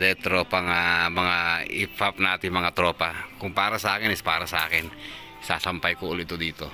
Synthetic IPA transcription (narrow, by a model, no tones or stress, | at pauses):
dɛt̪ɾopaŋamaŋaḭpʰap̚nat̪imaŋat̪ɾopakuŋpaɾasakɪnispaɾasakɪn | sasampajkuːlit̪udit̪u